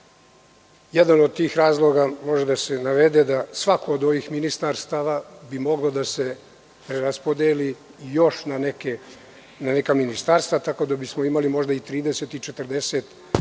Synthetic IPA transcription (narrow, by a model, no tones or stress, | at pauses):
jɛd̪anod̪̚t̪iːxɾaːzlˠo̞ɡamo̞ʒed̪asenaʋed̪ed̪asʋakoːd̪o̞ʋiːxminist̪aɾst̪aʋabimo̞ɡlod̪ase̞ | pɾeɾaspod̪eli | jo̞ʃnaneke | nane̞kaminist̪aɾst̪vat̪ako̞d̪abismoimalimo̞ʒd̪ait̪ɾiːd̪eset̪it͡ʃet̪ər̩d̪eset̪